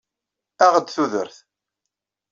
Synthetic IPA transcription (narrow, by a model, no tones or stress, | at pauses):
æʁəd̪θuðə̰ɾθ